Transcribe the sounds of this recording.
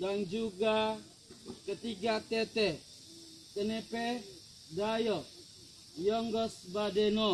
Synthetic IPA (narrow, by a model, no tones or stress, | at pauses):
daŋd͡ʒuɡa | kət̪iɡat̪et̪e | t̪ənepe | dajɔ | jɔŋɡɔsbadeno